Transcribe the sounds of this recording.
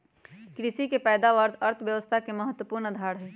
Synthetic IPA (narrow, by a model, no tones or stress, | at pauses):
kɾɪʃikepɛːd̪aʋəɾt̪ʰəɾt̪ʰʋjɐʋəst̪ʰakeməɦət̪ːwəpuːɾnəd̪ʱaːɾɦɛː